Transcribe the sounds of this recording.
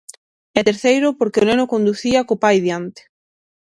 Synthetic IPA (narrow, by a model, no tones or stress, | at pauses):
ɛt̪eɾθejɾʊpoɾkeonenʊkond̪uθiakopajðjant̪e̥